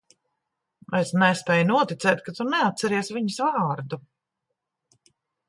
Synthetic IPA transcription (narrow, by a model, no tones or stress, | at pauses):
ɛsnɛspʲɛːjnuɔt̪it̪sɛːt̪̚kat̪unɛat̪̚t̪sɛɾiɛsviɲusvɑːɾd̪u